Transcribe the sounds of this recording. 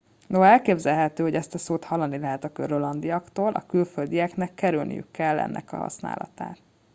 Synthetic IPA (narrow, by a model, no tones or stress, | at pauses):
noɦɒɛlkeːbzɛlɦɛt̪øːɦoɟɛst̪ɒsoːt̪hɒlːɒnːilɛɦɛt̪ɒkøɾolɒnd̪ijɒkt̪oːlʔɒ̰kylføld̪ijɛknɛkːɛɾylnḭjy̰kːɛlːɛ̰nːɛ̰kɒ̰ɦɒ̰sna̰ːlɒ̰t̪a̰ːt̪̚